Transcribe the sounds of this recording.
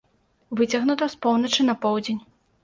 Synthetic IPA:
vɨt͡sʲɐɣnut̪ɐspɔwnɐt͡ʂɨnɐpɔwd͡zʲenʲ

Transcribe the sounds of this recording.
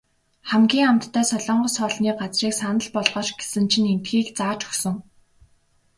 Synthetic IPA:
χæmɡʲiːŋamt̪ʰːæːsɔɮɔːɴɢɞ̆sɔːɮniːɢat͡sriːksanə̆ɮpɔɮʁɔːt͡ɕɡ̥e̥sɘ̆nt͡ɕʰinent̪xiːkt͡saːt͡ɕɵ̥xsɵ̆ŋ

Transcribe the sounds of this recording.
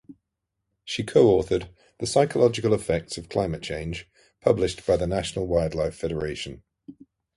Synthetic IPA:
ʃikʰəʊɔˑθəd̪̚ | ðəsaɪkʰəlɒd͡ʒɪkəlɪfɛk̚tsəv̥kʰl̥aɪ̃mət̚t͡ʃʰẽɪ̃nʒ̥ | pʰʌblɪʃb̥aɪðənaʃənəlˠwaɪdˡlaɪffɛɾəɹeɪʃə̃n

